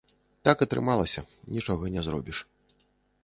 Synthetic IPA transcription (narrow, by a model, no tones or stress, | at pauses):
t̪akɐt̪ɾɨ̰malˠɐsʲɐnʲit͡ʂɔɣɐnʲɛzɾɔ̰bʲiʂ